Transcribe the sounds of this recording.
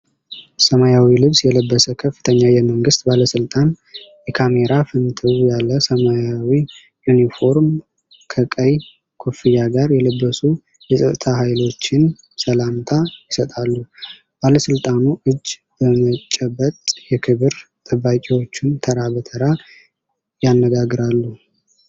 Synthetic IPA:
səmajawilɨβsjɛləbːəsəkʰəfːɨ̥t̪ʰəɲːajɛməŋɡɨst̪baləsɨlt̪ʼan | jɛkʰame̞ɾafɨnt̪ʰɨβjalːəsəmajawi | junifo̞ɾm | kʰəkʼəj | kʰufijaɡaɾjɛləbːəsu | jɛsʼət̪ʼt̪ʰaɦajlo̞t͡ʃːɪn | səlamt̪ʰajɪsət̪ʼalːu | b̥aləsɨlt̪ʼanuʔɨd͡ʒː | b̥əmət͡ʃʼːɛbət̪ʼjɛkʰɨβɨɾt̪ʼɨbːakʼiwo̞t͡ʃːɪnt̪ʰəɾabət̪ʰəɾa | janːəɡaɡɾalːu

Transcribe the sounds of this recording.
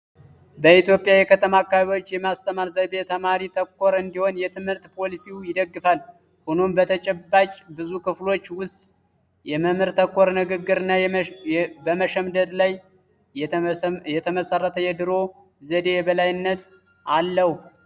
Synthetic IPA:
bəit̪jo̞pʼjajɛkʰət̪ʼʰəmakːaββo̞t͡ʃːjɛmast̪ʰəmaɾzəjbet̪ʰəmaɾit̪ʰəkʰːo̞ɾɨnd̪iho̞njɛt̪ʰɨmhɨɾt̪pʰo̞lisiujɪd̪əɡːɨfal | hunombət̪ʰət͡ʃʼɛbːat͡ʃʼbɨzukɨflo̞t͡ʃːwʊst̪ʼ | jɛməmɨɾt̪ʰəkʰːo̞ɾnɨɡɨɡːɨɾɨnːa | bəməʃəmd̪əd̪laj | jɛt̪ʰəməsərːət̪ʰəjɛd̪ɨɾo̞ | zəd̪e̞jɛbəlajɨnːət̪ | alːəhu

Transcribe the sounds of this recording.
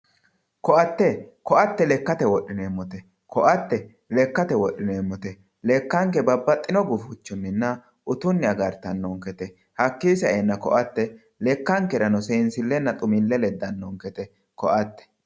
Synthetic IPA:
kɔʔɐt̪ːɛkɔʔɐt̪ːɛlɛkːɐt̪ɛwɔʔːɪneːmːɔt̪ɛ | kʰɔʔɐt̪ːɛ | lɛkːɐt̪ɛwɔɗɪneːmːɔt̪ɛ | lɛkːɐŋkɛbɐbːɐt̪ʼːɪnɔɡʊfʊt͡ʃːʊnːɪnːɐ | ʔʊt̪ʊnːɪɐɡɐɾt̪ɐnːɔŋkɛt̪ɛ | hɐkːiːsɐʔɛnːɐkɔ̰ʔɐt̪ːɛ | lɛkːɐŋkɛɾɐnɔseːnsɪlːɛnːɐt̪ʼʊmɪlːɛlɛd̪ːɐnːɔŋkɛt̪ɛ | kɔʔɐt̪ːɛ̥

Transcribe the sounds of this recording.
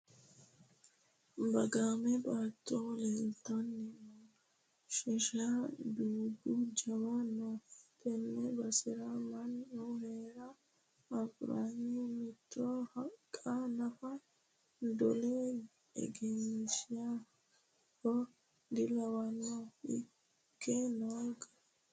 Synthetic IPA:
bɐɡaːmɛbaːt̪ːoːleːlt̪ːɐnːɪn | ʃɛʃabiːd̪ud͡ʒɐwanot̪ʼɛnːɛbɐsɪɾamɐnːoheːɾɐ | ɐfɾa̰ːnimɪt̪ːohɐkʼːanɐfɐ | d̪ɔle | ɛ̰ɡɛnʃɪja | kɔ | d̪ɪlɐwɐnoɪ̰ | kːenoɡɐ̥

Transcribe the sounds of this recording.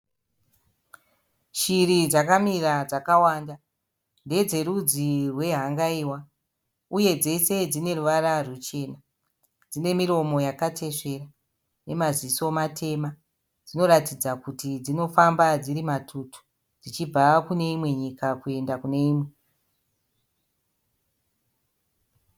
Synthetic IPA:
ʃiɾid͡zakamiɾad͡zakawaːnda | nde̞d͡ze̞ɾud͡zirwe̞ɦaŋɡaiwa | uje̞d͡ze̞se̞d͡zine̞ruʋaɾarut͡ʃe̞ːna | d͡zine̞miɾo̞mo̞jakatʰe̞ʂe̞ra | ne̞maziso̞matʰe̞ma | d͡zino̞ɾatid͡zakutid͡zino̞fambad͡ziɾimatʰutʰu̥ | d͡zit͡ʃibʱakune̞imwe̞ɲikakue̞ndakune̞iːmwe̞

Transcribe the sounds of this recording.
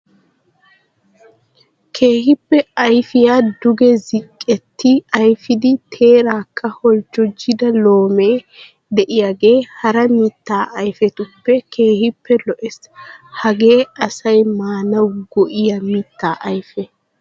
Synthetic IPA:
kʰe̞ːhɪpːɛɐjfɪjaːd̪ʊɡɛzɪkʼːɛt̪ːɪɐjfɪd̪ɪt̪ʰe̞ːɾaːkʰːɐhɔlt͡ʃːɔd͡ʒːɪd̪ɐlo̞ːme̞ː | d̪ɛʔɪjaːɡe̞ːhɐɾɐmiːt̪ːaːʔɐjfɛt̪ʊpːɛkʰe̞ːhɪpʰːɛlɔʔɛs | hɐɡe̞ːʔɐsɐjmaːnɐwɡɔʔɪjɐmiːt̪ːaːʔɐjfɛ

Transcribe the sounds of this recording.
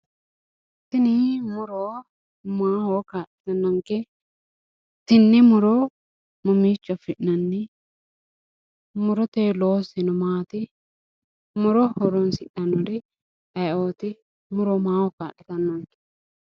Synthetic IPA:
t̪ɪnɪmʊɾo | maːhokaːʔːɪ̥t̪ɐnːɐŋkɛ | t̪ɪnːɛmʊɾɔ | mʊmiːt͡ʃːɔfɪʔnɐnːɪ | mʊɾɔt̪eːloːsɪnɔmaːt̪ɪ | mʊɾɔhɔɾɔnsɪʔɐnːɔdɪ | ɐjoːt̪ɪ | mʊɾomaːwɔkaːʔɪt̪ɐnːɐŋkɛ̥

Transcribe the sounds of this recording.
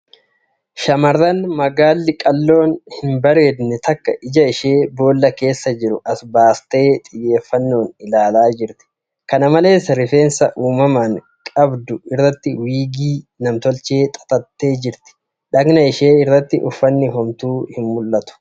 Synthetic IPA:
ʃɐmɐrːɐnmɐɡaːlːɪkʼɐlːo̞ːnhɪmbɐɾe̞ːd̪nɛt̪ɐkːɐ̰ʔɪd͡ʒɐɪʃeːbo̞ːlːɐke̞ːsːɐd͡ʒɪɾʊʔɐsbaːst̪e̞ːt̪ʼɪjːe̞ːfːɐnːo̞ːnɪlaːlaːd͡ʒɪɾt̪ɪ̥ | kɐnɐmɐle̞ːsɐɾɪfe̞ːnsɐʔuːmɐmɐŋ | kʼɐbd̪ʊɪrːɐt̪ːɪwiːɡiːnɐmt̪ɔlt͡ʃe̞ːt̪ʼɐ̥t̪ʼɐt̪ːe̞ːd͡ʒɪɾt̪ɪ̥ | ᶑɐɡnɐɪʃe̞ːɪrːɐt̪ːɪʔʊfːɐnːɪɦɔmt̪uːhɪnmʊlːɐt̪ʊ̥

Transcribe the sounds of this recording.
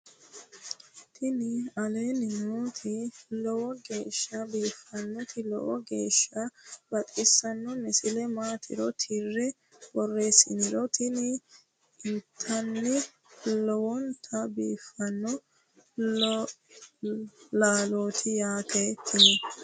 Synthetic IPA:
t̪ʰɪnɪɐle̞ːnɪnoːt̪ʰɪlɔwɔɡe̞ːʃːɐbiːfɐnːɔt̪ʰɪlɔ̰wʔɔɡḛːʃːɐbɐt̪ʼɪsːɐnːɔnɛsɪlɛmaːt̪ʰɪ̰ɾɔt̪ʰɪrːɛ | bɔrːe̞ːsɪnɪɾɔt̪ʰɪnɪ | ɪt̪ʰːɐnːɪ | lɔwɔnt̪ʰɐbiːfːɐnːɔ | laːloːt̪ʰɪjaːt̪ʰet̪ʰːɪnɛ

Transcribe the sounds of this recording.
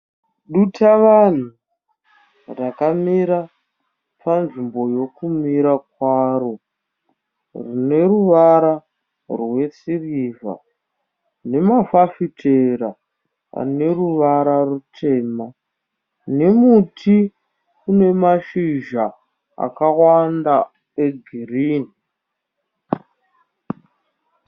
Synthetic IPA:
ɗutʰaʋan̤u | rakamiɾa | panʐimbo̞jo̞kumiɾak̚waːro̞ | rine̞ruʋaɾa | rwe̞siriːva̰ | ne̞mafafitʰe̞ra | a̰ne̞ruʋaɾarutʰe̞ːma | nemutʰi | une̞maʃiʒa | a̰kawanda | eɡʱiriːni

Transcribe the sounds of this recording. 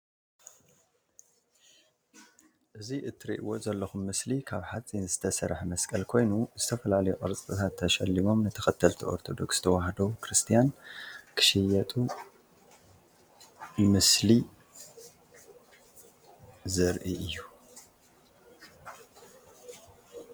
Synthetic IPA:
ʔɨziʔɨt̪ʰːɨɾḭʔɨwot̪zɐlːɐxumːɨslikʰaβħat͡sʼinzɨt̪ʰɐsɐɾħmɐskʼɐlkʰo̞jnuzɨt̪ʰɐfɐlalɐjuʔʼɨɾt͡sʼɨt̪ʰat̪ʰːɐʃɐlːimo̞mnɨt̪ʰɐxɐt̪ʰːɐlt̪ʰiʔo̞̰ɾt̪ʰo̞d̪o̞kst̪ʰɐwaɦd̪o̞kʰɾɨst̪ʰijankʰɨ̥ʃɛjɐt̪ʼu | mɨsli | zɐɾʔiʔɨjːu

